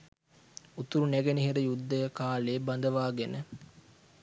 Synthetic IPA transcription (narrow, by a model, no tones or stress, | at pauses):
ut̪uɾuneɡeniɦiɾəjud̪ːəjɐkaːleːbɐnd̪ɐʋaːɡenə